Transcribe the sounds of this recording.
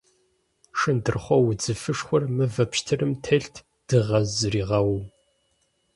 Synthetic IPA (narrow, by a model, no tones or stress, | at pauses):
ʂɨndɨrχʷɔwʊd͡zɨfɨʂxʷʊrmɨvɐpʃtʰɨrɨmtʰɐɬtʰ | d̥ɨʁɐzɨɾiːʁɐwuw